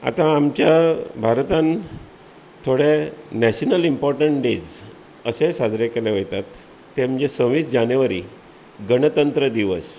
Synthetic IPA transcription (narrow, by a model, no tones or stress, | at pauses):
a̰t̪ãːmt͡ɕjabʱaɾt̪ãn | t̪ʰoɽenɛɕənəlimpɔɾʈəɳʈɖed͡z | əsesad͡zɾekeleʋojt̪at̪ː | em̤əd͡ʑesə̃w̃ʋiːsd͡ʑanjʋaɾi | ɡəɳ̃ət̪ənt̪ɾəd̪iʋəs